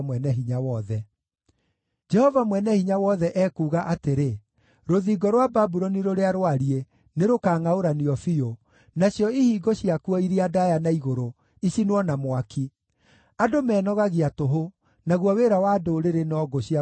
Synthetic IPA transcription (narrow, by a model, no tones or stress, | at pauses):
mwɛnɛɦiɲawɔðɛ | d͡ʒɛhɔvamwɛnɛhiɲawɔðɛʔɛkuːɣaʔateɾe | ɾoðiɡɔɾwababuɾɔniɾoɾeaɾowaɾie | neɾokaːŋaoɾaniɔfio | naɕjɔihiːɡoɕiakuɔiɾiadajanaiɣoɾo | iɕinwɔnamwakʰi | adomɛːnɔɣaɣiatoɦo | naɣwɔweːɾawadoːɾeɾenɔɡɔɕia